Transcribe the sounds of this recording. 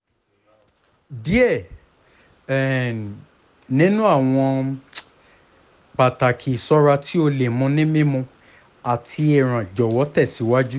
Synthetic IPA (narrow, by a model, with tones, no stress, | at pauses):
di˦ɛ˦˨ | nĩ˦nũ˦a˦˨w̃ɔ̃˧ | k͡pa˨ta˨kʰi˨sɔ˦ɾa˧ti˦o˧le˨mũ˧nĩ˦mĩ˦mũ˧ | a˨tʰi˧ɛ˨ɾ̃ã˨d͡ʒɔ˨wɔ˨˦tɛ˦˨si˨˦wa˦d͡ʒu˦